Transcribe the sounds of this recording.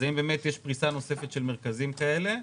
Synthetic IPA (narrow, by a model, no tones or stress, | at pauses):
zaimbeːmetjeʃpʁisano̞se̞fet̪ʃe̞lmeʁkazimkae̞le̞